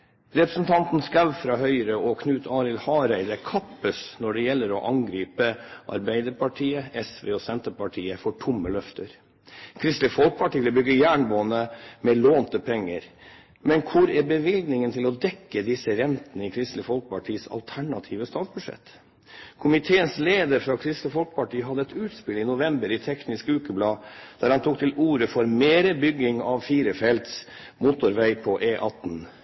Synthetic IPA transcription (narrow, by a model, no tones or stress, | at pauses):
ɾɛpɾəsn̩t̪ʰɑnt̪n̩skɑʋfɾɑːhœʏɾəɔkʰnʉːt̪ʰɑːɾɪlhɑːɾæɪd̪əkʰɑpːəsnɔɖɛjɛlːəɾɔʔɑŋɡɾiːpəʔɑ̰ɾbæɪd̪əɾpɑʈʰiːəɛsʋḛːɔsɛnt̪əpɑʈʰiːəfɔʈʰʊmːəlœft̪əɾ | kʰɾɪst̪lɪəfɔlk̚pʰɑʈiːləbʏɡːəjæːɳboːnəmɛloːnt̪əpʰɛŋːəɾ | mɛnkʰʊɾæɾbəʋɪlɡnɪŋənt̪ʰɪlɔd̪ɛkːəd̪ɪsəɾɛnt̪ənəɪːkʰɾɪst̪ləfɔlk̚pʰɑʈʰiːsɑ̰lt̪ʰæɳɑt̪ʰiːʋəst̪ɑːt̪sbʉdʂɛ̰t̪ː | kʰʊmɪt̪ʰeːənsleːd̪əɾfɾɑkʰɾɪst̪ləfɔlkpɑʈiːəɦɑd̪əɛt̪ʉːt̪spɪlɪnʊʋɛmbəɾɪt̪ʰɛknɪskʉːkəblɑːd̪̥æːɾhɑnt̪ʰuːkt̪ʰɪluːɾəfɔɾmeːɾəbʏɡɪŋɑʋfiːɾəfɛlt̪s | mut̪ʊɾʋæɪpʰɔʔeːʔɑt̪n̩